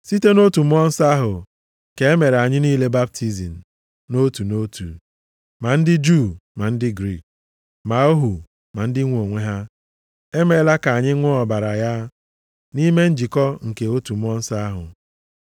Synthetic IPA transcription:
si˦te˦no˦tu˨m̩˦ɔ˦n̩˦sa˦a˦ɦʊ˨ | ke˨e˦me˨ɾa˨ɲɪ˦niː˦le˦ba˦b̚tʰi˦zi˨n̩˨ | no˦tu˨no˦tʰṵ˨ | ma˨n̩˦dɪ˦d͡ʒu˦˨ma˨n̩˦dɪ˦ɡɾi˦˨k̚ | ma˨o˦ɦu˨ | ma˨n̩˦dɪ˦ŋʷ˦o˨ŋʷe˦ɦa˦ | e˦me˦la˦ka˨a˨ɲɪ˦ŋʷʊ˦ɔ˨ba˨ɾa˨ja˦ | ni˦me˦n̩˦d͡ʒi˨kɔ˦ŋ̩˨ke˨o˦tu˨m̩˦ɔ˦n̩˦sa˦a˦ɦʊ̰˨

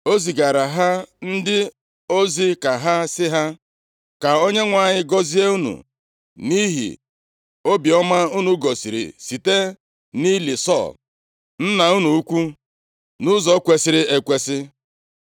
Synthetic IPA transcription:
o˦zi˨ɡa˨ɾa˨ɦa˦n̩˦dɪ˦ | o˦zi˦ka˨ɦa˦sɪ˦ɦa˦ | ka˨o˦ɲe˦ŋʷa˨ɲɪ˦ɡɔ˦zi˦e˦u˦nṵ˨ | ni˦ɦḭ˨ | o˦bi˨ɔ˦ma˦u˦nu˨ɡɔ˨si˨ɾḭ˨si˨te˦ | ni˦li˨sɔ̰˦˨l | n̩˦na˨u˦nu˨u˦kʷu˦ | nʊ˦zɔ˦kʷe˨sɪ˨ɾɪ˦e˨kʷe˦sɪ˦

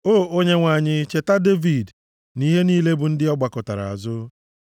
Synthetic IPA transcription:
o˦ʔo˦ɲe˦ŋʷa˨ɲɪ˦t͡ʃe˨ta˦de˦vi˨d | ni˦ɦe˦niː˦le˦bʊ˨n̩˦dɪ˦ɔ˦ɡ͡ba˨kʊ˨ta˨ɾa̰˨a̰˨zʊ˦

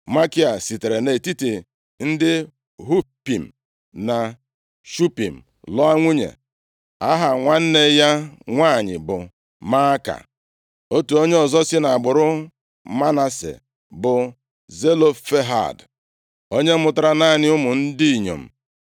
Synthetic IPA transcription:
ma˦ki˦a˨si˨te˨ɾe˨ne˨ti˦ti˨ | n̩˦dɪ˦ | ɦu˦pi˨m̩˨ | na˨ | ʃu˦pi˨m̩˨ | lɔ˦a˦ŋʷu˦ɲḛ˨ | a˦ɦa˨ŋʷa˦n̩˦ne˦ja˦ŋʷaː˦˨ɲɪ̰˨bʊ˨ | ma˦ka̰˨ | o˦tu˨o˦ɲe˦ɔ˨zɔ˦sɪ˦na˨a˨ɡ͡bʊ˨ɾʊ˦ | ma˦na˨sḛ˨ | bʊ˨ | ze˦lo˦fe˦ɦa̰˨d | o˦ɲe˦mʊ˦ta˦ɾa˦na˦˨ɲɪ˦ʊ˦mʊ˨n̩˦di˦i˨ɲo̰˨m̩˨

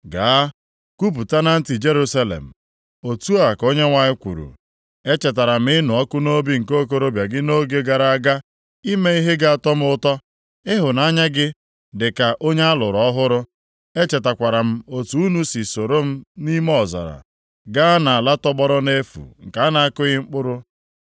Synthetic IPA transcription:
ɡa˨a˦ | ku˦p̬u˨ta˦na˦n̩˦ti˨d͡ʒe˦ɾu˦sa˦lḛ˨m̩˨ | o˨tu˦a˨ko˦ɲe˦ŋʷa˦ɪ˦kʷṵ˨ɾṵ˨ | e˦t͡ʃe˨ta˨ɾa˨m̩˦ɪ˦nʊ˨ɔ˦kʊ˦no˦bi˦ŋ̩˨ko˦k̬o˦ɾo˦bja˨ɡɪ˦no˦ɡe˦ɡa˨ɾa˦a˦ɡa˦ | i˦me˦i˦ɦe˦ɡa˦a˨tɔ˦m˦ʊ˦tɔ˦ | ɪ˦ɦʊ˨na˦ɲa˦ɡɪ˦ | dɪ˨ka˨ʔo˦ɲe˦a˦lʊ˨ɾɔ˦ɦʊ˦ɾʊ˦ | e˦t͡ʃe˨ta˨kʷa˨ɾa˨m̩˦o˨tu˨u˦nu˦si˨so˨ɾo˦m̩˦ni˦m˦ɔ˨za̰˨ɾa̰˨ | ɡa˦na˨a˨la˦tɔ˦bɔ˦ɾɔ˦ne˦fṵ˨ŋ̩˨ka˨a˦na˦a˦kʊ˦ɣɪ˦ŋ͡m̩˦k͡pʊ˦ɾʊ˦

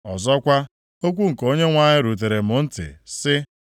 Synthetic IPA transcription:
ɔ˨zɔ˦kʷa˦ | o˦kʷu˦ŋ̩˨ko˦ɲe˦ŋʷa˦ɲɪ˦ɾu˨t̬e˨ɾe˨mʊ˨n̩˦tɪ̰˨sɪ˦

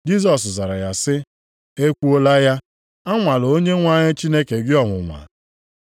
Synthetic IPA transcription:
d͡ʒi˦zɔ˨s̬za˨ɾa̰˨ja˨sɪ˦ | e˦kʷu˦o˦la˦ja˦ | a˦ŋʷa˨lo˦ɲe˦ŋʷa˦ɲɪ˦t͡ʃi˦ne˦ke˨ɡɪ˦ɔ˨ŋʷʊ˨ŋʷa̰˨

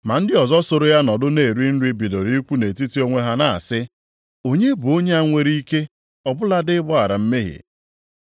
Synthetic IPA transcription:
ma˨n̩˦dɪ˦ɔ˨zɔ˦so˦ɾo˦ja˦nɔ˨dʊ˦ne˨ɾi˦n̩˦ɾi˦bi˨do˨ɾi˦kʷu˦ne˨ti˦ti˦o˦ŋʷe˦ɦa˦na˨sɪ˦ | o˦ɲe˦bu˨o˦ɲe˦a˦ŋʷe˦ɾi˦i˦ke˦ | ɔ˨bʊ˦la˦dɪ˦bʊ˦a˨ɾa˨m̩˦me˦ɦḛ˨

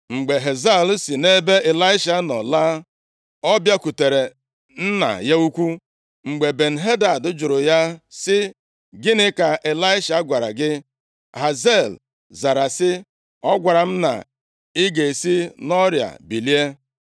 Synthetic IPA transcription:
ŋ͡m̩˨ɡ͡be˨ɦe˨za˦˨lsi˨ne˦be˦e˨la˦ɪ˦ʃa˨˦nɔ˨la˦ | ɔ˦bja˦ku˨te˨ɾe˨ | n̩˦na̰˨ja˦u˦kʷu˦ | ŋ͡m̩˨ɡ͡be˨be˨n̩˨ɦe˦da˨dʊ˦d͡ʒʊ˨ɾʊ˨ja˦sɪ˦ | ɡɪ˦nɪ˦ka˨ʔe˨la˦ɪ˦ʃa˨˦ɡʷa˨ɾa̰˨ɡɪ˦ | ɦa˨ze˦˨l | za˨ɾa˨sɪ˦ | ɔ˦ɡʷa˨ɾa˨m̩˦na̰˨ | i˦ɡe˨si˦nɔ˦ɾja̰˨bi˨li˦e˦

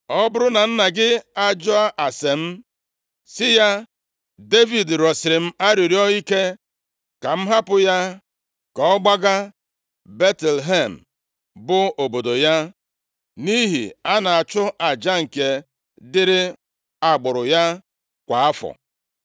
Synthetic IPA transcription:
ɔ˦bʊ˦ɾʊ˦na˨n̩˦na˨ɡɪ˦a˦d͡ʒɔ˦a˦ʔa˨se˨m̩˦ | sɪ˦ja˦ | de˦vi˨dɾɔ˨sɪ˨ɾɪ˨m̩˦a˦ɾi˨ɾi˦ɔ˦i˦ke˦ | ka˨m̩˦ɦa˦pʊ˨ja˦ | kɔ˨ɔ˦ɡ͡ba˦ɡa˦ | be˦tlɦe˦˨m̩˨ | bʊ˦o˨bo˨do˨ja˦ | ni˦ɦḭ˨a˦na˨a˨t͡ʃʊ˦ʔa˨d͡ʒa˦ŋ̩˨ke˨ | dɪ˦ɾɪ˦ | a˨ɡ͡bʊ˨ɾʊ˨ja˦ | kʷa˨a˦fɔ̰˨

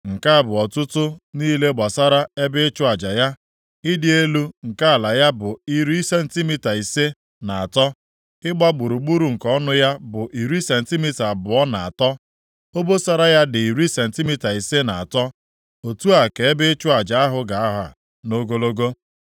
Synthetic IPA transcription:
ŋ̩˨ka˦a˨bʊ˨ɔ˨tʊ˦tʊ˦niː˦le˦ɡ͡ba˨sa˦ɾa˦e˦bɪ˦ɪ˦t͡ʃʊ˦a˨d͡ʒa˨ja˦ | i˦dɪ˦e˦lu˦ŋ̩˨ka˦a˨la˨ja˦bʊ˨i˦ɾi˦se˦n̩˨˦ti˦mi˦ta˨i˨se˦ | na˨a˨tɔ˦ | ɪ˦ɡ͡ba˦ɡ͡bu˨ɾu˨ɡ͡bu˦ɾu˨ŋ̩˨kɔ˦nʊ˦ja˦bʊ˨ʔi˨ɾi˦se˨n̩˨ti˦mi˦ta˨bʊ˨ɔ˦na˨a̰˨tɔ˦ | o˦bo˦sa˦ɾa˦ja˦dɪ˨i˨ɾi˦se˨n̩˨ti˦mi˦ta˨i˨se˦na˨a˨tɔ˦ | o˨tu˦a˨ke˨e˦bɪ˦t͡ʃʊ˦a˨d͡ʒa˨˦a˦ɦʊ˦ɡa˨a˦ɦa˨ | no˦ɡo˦lo˦ɡo˦

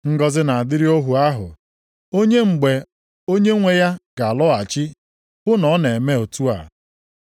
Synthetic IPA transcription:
ŋ̩˦ɡɔ˦zɪ˦na˨a˨dɪ˦ɾi˦o˦ɦu˨a˦ɦʊ̰˨ | o˦ɲe˦ŋ͡m̩˨ɡ͡be˨ | o˦ɲe˦ŋʷe˦ja˦ɡ̥a˨lɔ˦a˨t͡ʃi˦ | bʊ˦nɔ˨˦ne˨me˦o˨tu˦a̰˨

